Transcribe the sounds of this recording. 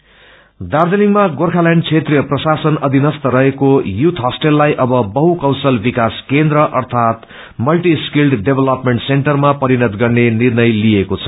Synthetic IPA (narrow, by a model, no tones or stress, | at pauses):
d̪ard͡zʌnikmaɡorkʰalaɳɖt͡sʰet̪rijʌprʌsasʌnʌd̪ʱinʌst̪ʌɾʌɦekojut̪ʰɦʌsʈelːajʔʌbʌbʌɦukaw̃sʌlbikaskend̪ɾʌʔʌrt̪ʰat̪ | mʌlʈiskilɖɖebʱelʌpmeɳʈseɳʈʌrmapʌɾinʌt̪ɡʌrnenirnʌjliekot͡sʰʌ̥